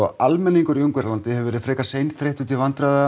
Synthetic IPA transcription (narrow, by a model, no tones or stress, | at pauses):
ɔʔalmɛnːiŋkʏɾʏŋkʏɾlant̪ɪhɛvʏvɛɾɪfɾɛːkasejnθɾeht̪ʏt̪ʰɪlvant̪ɾaða